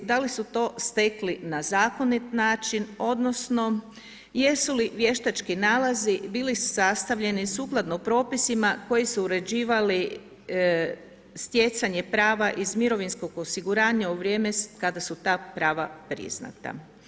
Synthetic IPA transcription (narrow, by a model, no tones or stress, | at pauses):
d̪alisut̪o̞ːst̪eklinazaːko̞nit̪naːt͡ʃino̞d̪no̞sno̞ | je̞suliʋje̞ʃt̪at͡ʃkinaːlˠazibiːlisast̪aʋʎe̞nisuːklˠad̪nopɾo̞ːpisimako̞jisuːɾe̞d͡ʑiːʋali | st̪jet̪saɲe̞pɾaːʋaʔizmiɾo̞ʋinsko̞ɡo̞siɡuɾaːɲauʋɾʲje̞ːmekad̪asut̪aːpɾaːʋapɾḭzna̰t̪a̰